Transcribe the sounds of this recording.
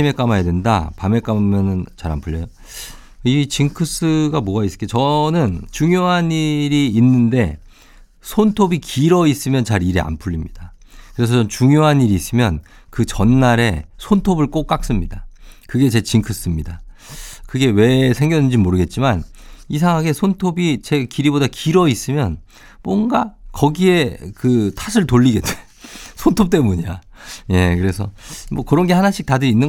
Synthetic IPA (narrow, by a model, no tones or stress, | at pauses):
ime̞k͈amajedwe̞nda̰pame̞k͈amjʌnɯnt͡ɕaɾa̰npʰuʎːʌjo | it͡ɕiŋkʰɯs͈ɯɡamoais͈ɯ̥keot͡ɕʌnɯnt͡ɕuŋjoɦaniɾiːnːɯnde̞ | sʰontʰobikiɾʌis͈ɯmjʌnt͡ɕaɾiɾea̰npʰuʎːimɲid̥a | kɯɾe̞s̬ʰʌʌnt͡ɕuŋjoɦaniɾiːs͈ɯmjʌn | kɯt͡ɕʌnːaɾe̞sʰontʰobɯɭk͈ok͈ak̚s͈ɯmɲidakɯɡe̞t͡ɕe̞t͡ɕiŋkʰɯs͈ɯmɲidakɯɡe̞we̞sʰe̞ŋɡjʌdɯnd͡ʑimoɾɯɡe̞t̚t͡ɕ͈iman | is̬ʰaŋɦaɡe̞sʰontʰobit͡ɕe̞kiɾibodakiɾʌis͈ɯmjʌn | mwʌnɡakʌɡie̞kɯtʰasʰɯɭtoʎːiɡe̞t͈ʰːe | sʰontʰop̚t͈e̞muɲia | je̞kɯɾe̞sʰʌmwʌkɯɾʌnɡe̞hanaɕʰik̚tadɯɾinːɯ